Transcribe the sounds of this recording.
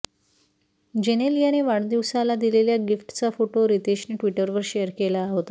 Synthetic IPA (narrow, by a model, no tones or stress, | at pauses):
d͡ʑeñelijaneʋaɽd̪iʋsalad̪ileljaɡifʈt͡safoʈoɾit̪eɕniːʈʋiʈəɾʋəɾɕejəɾkelaːɦot̪a